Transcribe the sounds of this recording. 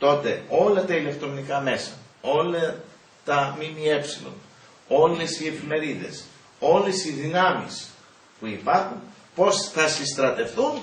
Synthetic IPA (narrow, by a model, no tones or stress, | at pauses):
t̪o̞t̪e̞o̞lɐt̪ɐile̞k̚t̪ɾo̞nikɐme̞sɐ | o̞lɐ | t̪ɐmimie̞psilo̞̰n | o̞le̞sie̞fime̞ɾiðe̞̰s | o̞lesiðinɐmḭs | puipɐɾxun | po̞sθɐsist̪ɾɐt̪e̞fθun